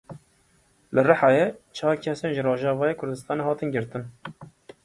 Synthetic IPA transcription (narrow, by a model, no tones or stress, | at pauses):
lɨrɨħɑjet͡ʃʰɑːkʲʰɛsenʒɪroːʒɑːvɑːjeːkʰʊɾd̪ɨst̪ɑːneːɦɑːt̪ɨnɡɪɾt̪ɨn